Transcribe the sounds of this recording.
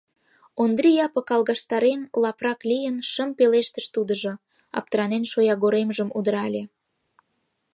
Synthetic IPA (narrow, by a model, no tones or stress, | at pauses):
ond̪ɾijɑpə̆kɑlɣɑʃt̪ɑɾenlɑprɑklʲijənʃəmpeleʃt̪əʃt̪ud̪ə̆ʒo | ɑ̰p̚t̪əɾɑnenʃojɑɣoɾemʒəmud̪əɾɑlʲe